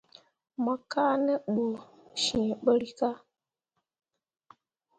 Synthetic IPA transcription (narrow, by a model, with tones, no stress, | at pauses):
ma˨ka˦nɛ˦ɓo˨ | ʃi˨ɓə˦ɾi˦ka˦